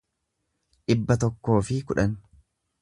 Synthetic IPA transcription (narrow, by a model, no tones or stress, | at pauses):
ᶑɪbːɐt̪ɔkːo̞ːfɪkʊᶑɐn